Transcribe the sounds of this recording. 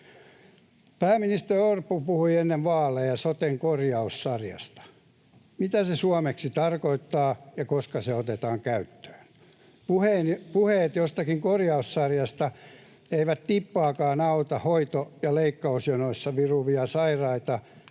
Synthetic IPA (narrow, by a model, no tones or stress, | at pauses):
pæːminist̪eriorpːupuhuienːeʋʋɑːlːejɑsot̪eŋkorjɑussɑrjɑ̰st̪ɑ̥ | mit̪æsesuɑmeksit̪ɑrkoit̪ːɑːjɑkoskɑseot̪et̪ɑːŋkæyt̪ːø̥ːn | puheːnpuheːt̪jost̪ɑkiŋkorjɑussɑrjɑst̪ɑ | eiʋæt̪t̪ipːɑːkɑːnɑut̪ɑhoit̪ojɑleikːɑusjonoisːɑʋiruʋiɑsɑirɑit̪ɑ